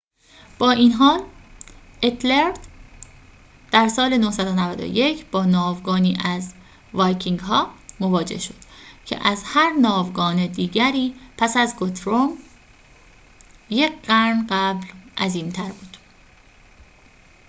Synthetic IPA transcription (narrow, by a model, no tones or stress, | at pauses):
b̥ɒːʔinɦɒːl | ʔet̪ʰleɾd̪ | d̪̥æɾsɒːle̞nohsæd̪onævæd̪o̰je̞cʰb̥ɒːnɒːvɡɒːniːʔæz | vɒːjcʰiŋɡɦɒːmo̞vɒːd͡ʒe̞̰hʃo̞d̪̥cʰḛʔæzhæɾnɒːvɡɒːne̞d̪iːɟæɾiːpʰæsæzɡot̪ʰɾom | jecɢæɾnɢæblʔæziːmt̪ʰæɾbuːd̪̥